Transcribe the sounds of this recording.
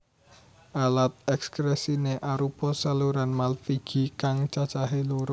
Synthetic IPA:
ʔalat̪̚ɛkskɾɛsineʔaɾupɔsaluɾanmalfiɡ̥i̤kaŋt͡ʃat͡ʃaɦiluɾʊ

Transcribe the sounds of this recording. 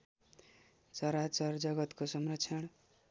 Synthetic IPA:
t͡sʌɾat͡sʌrd͡zʌɡʌt̪kosʌmrʌkt͡sʰʌɽ̃

